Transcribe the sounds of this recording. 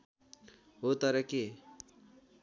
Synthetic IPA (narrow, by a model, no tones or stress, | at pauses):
ɦot̪ʌɾʌke